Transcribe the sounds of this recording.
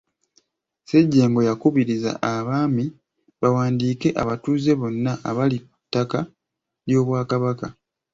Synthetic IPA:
seɟːe̞ːŋɡo̞jakuβiɾiza̰ʔaβaːmi | βawaːndiːke̞ʔaβatuːze̞βo̞nːaʔaβalikutːaka | ljo̞ːβwaːkaβaka

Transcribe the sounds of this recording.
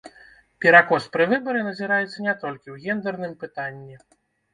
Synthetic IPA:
pʲɛɾakɔspɾɨvɨbɐɾɨnɐzʲiɾajɛt̪sːɐnʲɛt̪ɔlʲkʲiwɣʲɛnd̪ɛrnɨmpɨt̪anʲːi

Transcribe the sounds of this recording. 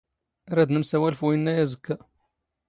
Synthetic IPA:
ɾˤæd̪nəmsæwælfuənːæjæzəkːæ

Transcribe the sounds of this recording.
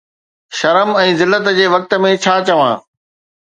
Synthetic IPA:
ʃɐɾəmɛ̃ːzɪlːət̪d͡ʑeːʋɐk̚t̪ə̆mẽt͡ɕʰaːt͡ɕɐʋã̰ː

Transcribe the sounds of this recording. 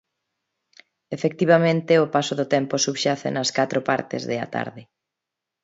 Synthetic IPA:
efek̚t̪iβamẽnt̪ɪʊpasoðʊt̪ɛmposuβʃaθḛnɐskat̪ɾopa̰ɾt̪ɪ̰zðɪɐ̰t̪a̰ɾðɪ

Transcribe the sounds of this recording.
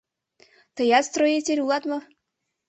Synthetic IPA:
t̪ɤjɑt̪st̪rojet̪ʲeɾʲulˠɑt̪mɤ

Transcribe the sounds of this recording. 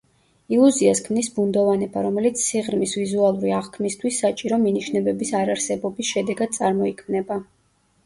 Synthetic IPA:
ilˠuziaskʰmnisbund̪ɔvanɛbaɾɔmɛlit̪sʰsiʁɾmisvizualˠuɾiaʁkʰmist̪ʰwisːat͡ʃʼiɾɔminiʃnɛbɛbisaɾaɾsɛbɔbisʃɛd̪ɛɡad̪̥̚sʼaɾmɔikʰmnɛba

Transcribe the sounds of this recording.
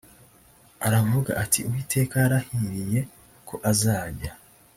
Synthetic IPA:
aɾavuɡa̰ʔatʰiuwiːtʰe̞ːkaɾahiɾije̞ | kʰo̞ʔazaːɟa

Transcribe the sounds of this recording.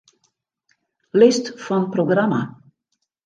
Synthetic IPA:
lɪstfɔnproɡrama̰

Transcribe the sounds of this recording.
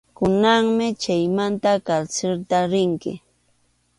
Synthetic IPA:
kʊnaŋmɪt͡ʃajmant̪akaɾselt̪aɾɪŋkɪ̰

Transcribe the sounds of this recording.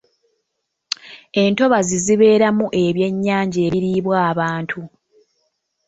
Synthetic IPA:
e̞nto̞βaziziβe̞ːɾamuʔe̞βje̞ɲːaːɲɟe̞ːβiɾiːβwaːβaːntʰu

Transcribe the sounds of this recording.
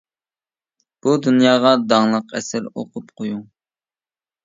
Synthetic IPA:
b̥ud̪unjɑːʁɑd̪ɑŋlˠəqɛ̰sɪɾo̰qʰʊpqʰoju

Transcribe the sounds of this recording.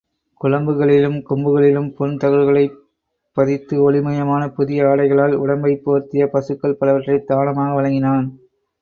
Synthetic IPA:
kʊɻɐmbɯɣɐɭɪlɯmkɔmbɯɣɐɭɪlɯmpɔnt̪ɐɣɯɻɣɐɭɐɪ | pːɐðɪt̪ːɯɔɭɪmɐjɐmaːnɐpʊðɪjɐaːɽɐɪɣɐɭaːlʊɽɐmbɐɪpːoːɾt̪ɪjɐpɐsɯkːɐɭpɐlɐʋɐʈrɐɪd̪aːnɐmaːɣɐʋɐɻɐŋɡɪnaːn

